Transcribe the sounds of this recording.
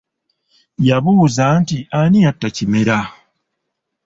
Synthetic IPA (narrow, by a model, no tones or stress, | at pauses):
jaβuːzantianiatːacime̞ɾa